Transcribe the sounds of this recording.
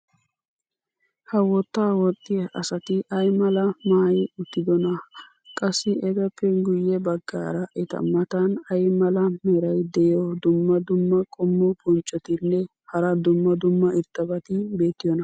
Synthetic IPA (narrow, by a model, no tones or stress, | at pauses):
hɐwɔt̪ːaːwɔt̪ʼːɪɐʔɐsɐt̪ɪʔɐjmɐlɐmaːjɪʊt̪ːɪd̪ɔnɐ | kʼɐsːɪʔɛɡɐpːɛɡʊjːɛbɐɡːa̰ːɾɐʔɛt̪ɐ̰mɐt̪ɐnɐjmɐlɐmɛɾɐjd̪ɛjɔd̪ʊmːɐd̪ʊmːɐkʼɔmːɔpʼɔnt͡ʃʼːɔt̪ɪnːɛ | hɐɾɐd̪ʊmːɐd̪ʊmːɐɪɾt̪ːɐbɐt̪ɪbe̞ːt̪ːɪjɔnɐ